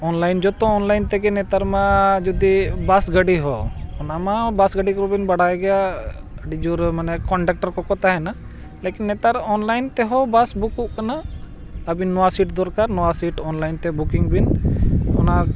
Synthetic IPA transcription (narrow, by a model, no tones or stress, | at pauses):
ɔnlajnd͡ʒɔt̪ɔ̃ːnlajnt̪ɛɡɛnɛt̪aɾmad͡ʒud̪ibasɡəɖiɦɔɔnamabasɡəɖikɔɾɔbinbaɽaɛɡɛja | əɖid͡ʒuɾmanɛkɔɳɖak̚ʈaɾkɔkɔt̪aɦɛna | lɛkinːɛt̪aɾɔnlajnt̪ɛɦɔbasbukuʔkana | əbinːɔwasiʈd̪ɔɾkaɾnɔwasiʈɔnlajnt̪ɛbukiŋbinɔ̰na